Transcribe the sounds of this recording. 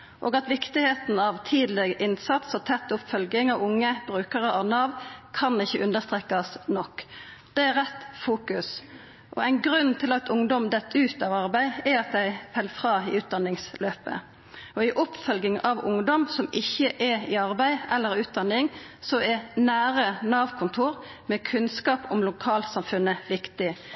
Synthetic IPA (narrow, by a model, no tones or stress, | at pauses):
ʔoːɡɑt̪ʋɪkt̪ɪheːt̪n̩ɑʋt̪ʰiːd̪lɛɡʔɪnsɑt̪sɔt̪ʰɛt̪ːʊpfœlɡɪŋɑʋʊŋːəbʁʉːkəʁəʔɑʋnɑːʋkʰɑnɪçːəʔʉnd̪əst̪ʁeːkɑsnɔkːd̪̥ɛæʁɛt̪ːfuːkʉs | ʔɔ̰æɪnɡɾʉnːt̪ʰɪlɑt̪ʰʊŋd̪ɔmd̪ɛt̪ʰːʉːt̪ɑʋɑʁbæɪɛɑt̪̚d̪æɪfɛlfʁɑːiʉːt̪̚d̪ɑnːɪŋsløːpə̰ | ʔɔɪʔʊpfœlɡɪŋɑʋʊŋd̪ɔmsɔmɪçːəʔɛɪɑʁbæɪɛlːəʁʉːt̪̚d̪ɑnɪŋsɔɛnæːʁənɑːʋkʰʊnt̪ʰuːʁ | mɛːkʰʉnskɑːpɔmlʊkʰɑːlt̪sɑmfʉnːəʋɪkt̪ɪ